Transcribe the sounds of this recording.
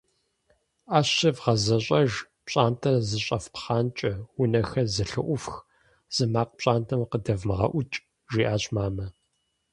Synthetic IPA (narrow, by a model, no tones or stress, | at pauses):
aːɕɐvʁɐzɐɕʼɐʒ | pɕʼaːntʰɐzɨɕʼɐfpχaːnt͡ʃʼɐwʊnɐxɐzɨɬɨ̰ʔʷʊfx | z̥ɨmaːqpɕʼaːntʰɐmqədɐvmɨʁɐ̰ʔʷʊt͡ʃʼ | ʒiːʔaːɕʼmaːmɐ